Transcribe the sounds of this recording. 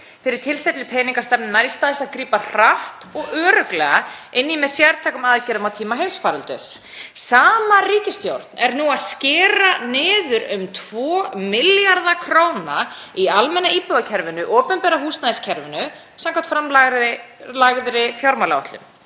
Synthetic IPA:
fɪɾɪɾ̥t̪ʰɪlst̪ɛjt̪lɪpʰɛːjniŋkast̪ɛpnnajst̪aːðɪsaðkɾiːpar̥aht̪ɔɣœːɾœklɛːɣaɪnːimɛðsjaɾt̪ʰɛːkʏmaðcɪɾðʏmawt̪ʰiːmaɦejsfaːɾʏlt̪ʏ̰s | saːmariːcɪst̪jowɾ̥t̪nɛɾnuaðscɪːɾanɪːðʏɾʏmt̪ʰvɔːmɪljaɾðakʰɾoːwna | ialmɛnːaiːpʏɣacʰɛɾvɪnʏʔoːpɛnpɛːɾahuːst̪naðɪscʰɛɾvɪnʏ | samkʰat̪fɾamlaɣɪlaɣðɾɪfjaɾmalaɔ̰ht̪lʏ̰m

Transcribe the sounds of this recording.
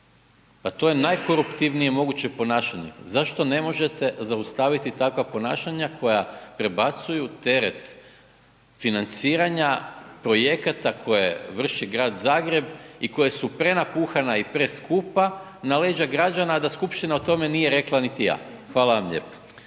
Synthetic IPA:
pat̪o̞je̞najko̞ɾupt̪iʋnijemo̞ɡut͡ɕe̞po̞naːʃaɲḛzaʃt̪o̞ne̞mo̞ʒe̞t̪e̞zaust̪aːʋit̪it̪akʋapo̞naːʃaɲakʰo̞japɾe̞bat̪sujut̪e̞ɾet̪ | finant̪siːɾaɲapɾo̞je̞kat̪akʰo̞jḛʋr̩ʃiɡɾaːd̪zaːɡɾe̞biko̞jasupɾe̞napuːxanaipɾeskupa | naleːd͡ʑaɡɾad͡ʒanad̪askupʃt̪inaot̪o̞me̞nije̞ɾe̞klˠanit̪ija̰ː | xʋaːlaʋamʎe̞̰pḁ

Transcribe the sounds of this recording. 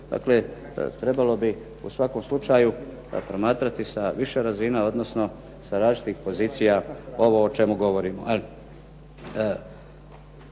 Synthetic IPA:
d̪̥a̰ːkle̞̰ | t̪ɾe̞balo̞bi | ṵsʋako̞mslˠut͡ʃaju | pɾo̞maːt̪ɾat̪isaʋiʃeɾazinao̞d̪no̞sno̞ | saɾaːt͡ʃit̪ixpo̞ziːt̪sijao̞ʋo̞ːt͡ʃe̞muɡo̞ʋo̞ɾiːmoali

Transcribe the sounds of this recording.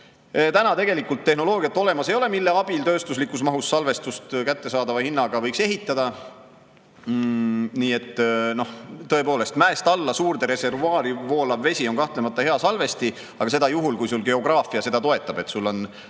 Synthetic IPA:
t̪ænɑt̪e̞ɡe̞likːˑult̪ːe̞ɦno̞lo̞ːɡ̥iɑt̪ːˑo̞le̞mɑse̞jo̞le̞milːe̞ɑb̥ilt̪ø̞ːst̪uslikːˑusmɑɦusːɑlve̞st̪ust̪kæt̪ːe̞sɑːd̪ɑvɑhinːɑɡ̥ɑvɤ̞jkseɦit̪ːˑɑd̪̥ɑ | niːe̞t̪ːno̞ht̪ːɤe̞po̞ːle̞st̪mæest̪ɑlːɑsuːrd̪e̞ɾe̞se̞rvuɑːɾivo̞ːlɑvːe̞sʲio̞nkɑht̪le̞mɑt̪ːˑɑhe̞ɑsɑlve̞st̪i | ɑɡɑs̬e̞d̪ɑjuɦulkujsulɡ̥e̞o̞ɡ̥rɑːfiɑse̞d̪ɑt̪o̞e̞t̪ːˑɑb̥e̞t̪sulːo̞n

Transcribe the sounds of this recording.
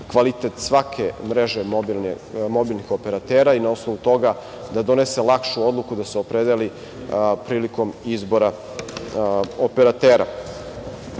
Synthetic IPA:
kʋalit̪et̪sʋakʰemɾeʒe̞bi | mo̞bilnixo̞pe̞ɾat̪eːɾainaosnoʋut̪o̞ɡa | d̪ad̪o̞nese̞lˠakʃuo̞d̪lˠukud̪aseopɾed̪eli | pɾiːliko̞mizbo̞ɾa | opeɾat̪eːɾa̰

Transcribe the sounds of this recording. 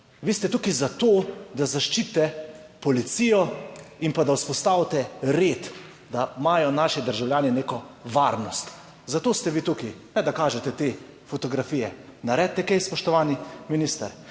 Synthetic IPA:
ʋiːst̪ɛt̪ukizat̪oːd̪azaʃt͡ʃit̪ːɛpɔlit̪siːjɔimpad̪awspɔst̪aːwt̪ɛɾeːt̪ | d̪amaːjɔnaːʃid̪əɾʒawljaːnineːkɔʋaːɾnɔst̪ | zat̪oːst̪ɛʋiːt̪ukinɛd̪akaːʒɛt̪ɛt̪eː | fɔt̪ɔɡɾafiːjɛnaɾɛt̪ːɛkɛjspɔʃt̪ɔʋaːniminist̪ə̰ɾ

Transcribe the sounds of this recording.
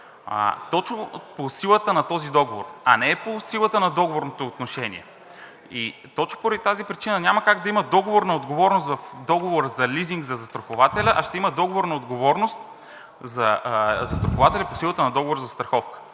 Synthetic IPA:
t̪ɔt͡ʃnoposilˠət̪ənɐt̪ɔzid̪ɔɡovo̰ɾɐnɛɛposilˠət̪ənɐd̪ɔɡovoɾnot̪oːt̪noʃɛnḭɛ̰ | i | t̪ɔt͡ʃno̥poɾɐd̪it̪azipɾit͡ʃinənʲaməkaɡd̪ɐiməd̪ɔɡovoɾnɐod̪ɡovɔɾnost̪vɐfd̪ɔɡovoɾzɐliziŋɡzɐzɐst̪ɾoxovat̪ɛlʲɐʔɐʃt̪ɛiməd̪ɔɡovoɾnɐod̪ɡovɔɾnost̪ | zɐzɐst̪ɾoxovat̪ɛlʲɐposilˠət̪ənɐd̪ɔɡovoɾzɐst̪ɾɐxɔfkə̥

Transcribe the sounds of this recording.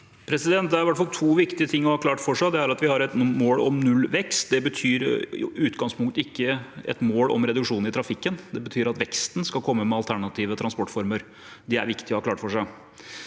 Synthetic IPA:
pʰɾɛsɪd̪ɛnt̪̚d̪ɛæɾʋæʈːfɑlt̪ʰuːʋɪkt̪ɪət̪ʰɪŋːɔhɑːkʰlɑːʈfɔʂæɪd̪ɛæɾɑt̪ʋɪhɑɾɛt̪moːlɔmnʉlːʋɛkst̪̚d̪ɛbət̪ʰyːɾ̰ʉːt̪ɡɑŋspʊŋkt̪ɪkːəɛ̰t̪moːlɔ̰mɾɛd̪ʉkʂuːn̩ɪt̪ʰɾɑfɪkːənd̪ɛbət̪ʰyːɾɑt̪ʋɛkst̪n̩skɑlkʰɔmːəmɛɑlt̪ʰæɳɑt̪ʰiːʋət̪ʰɾɑnspɔʈfɔɾməɾ | d̪ɛæ̰ɾʋɪkt̪ɪɔhɑːklɑːʈfɔʂæɪ

